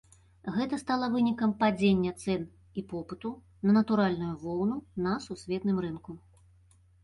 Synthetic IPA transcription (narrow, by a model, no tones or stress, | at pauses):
ɣɛt̪ɐst̪alˠɐvɨnʲikɐmpad͡zʲenʲːɐt̪sɛn | ipɔpɨt̪u | nɐnɐt̪uɾalʲnujuvɔwnunɐsusʲvʲɛt̪nɨmrɨnku